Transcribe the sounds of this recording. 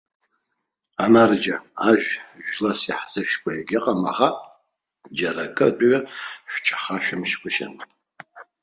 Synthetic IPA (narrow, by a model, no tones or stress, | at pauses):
anard͡ʒaaʒᶣʒᶣlasḭħzɨʃkʷʰajaɡʲɪqʼama̰χa | d͡ʒaɾakʼɨtʼɥaħᶣʷt͡ʃʰʼḁχaʃᶣʊmʃkʰʷɨʃa̰nʼ